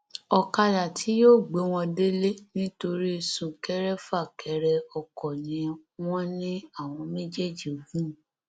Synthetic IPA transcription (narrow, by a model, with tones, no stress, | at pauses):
ɔ˧ka˧la˨tʰi˨˦joː˦˨ɡ͡be˨˦w̃ɔ̃˧de˦le˦nĩ˦to˧ɾi˦˧sũ˦˨kɛ˨˦ɾɛ˦fa˦˨kɛ˨˦ɾɛ˦ɔ˧kɔ˨nĩ˨˦w̃ɔ̃˦nĩ˦a˦˨w̃ɔ̃˧me˦d͡ʒɛ˦˨d͡ʒi˦˨o˨ɡũ˦˨